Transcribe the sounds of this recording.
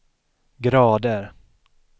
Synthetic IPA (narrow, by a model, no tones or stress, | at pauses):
ɡɾɑːd̪əɾ